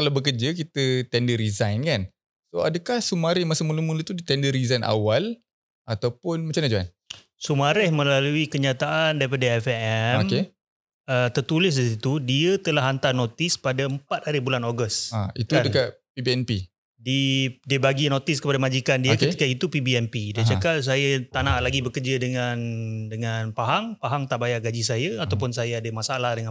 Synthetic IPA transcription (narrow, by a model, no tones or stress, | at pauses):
kalawbəkərd͡ʒəkit̪ət̪ɛndəɾizajnkan | soadəkahsumaɾɪhmasəmulumũlət̪udit̪ɛndəɾizajnʔa̰wal | ʔat̪awpʊnmat͡ʃanad͡ʒaa̰n | sumaɾɪhmə̃laluikəɲat̪aʔandaɾipadaɛfɛɛoke | ət̪ərt̪ulɪs̬disit̪udiət̪əlahɦant̪arnot̪ɪspadaəmpat̪̚haɾibulanoɡəstaḭt̪uadəkaʔpibiɛnpi | didiəbaɡinõt̪ɪskəpadamad͡ʒikandiakət̪ikait̪upibiɛnpidit͡ʃakaʔs̬ajat̪anaʔlaɡibəkərd͡ʒədəŋandəŋanpaɦaŋpaɦaŋt̪aʔbajaʔɡad͡ʒisajaat̪awp̬ʊns̬ajaadəmasaalahdəŋã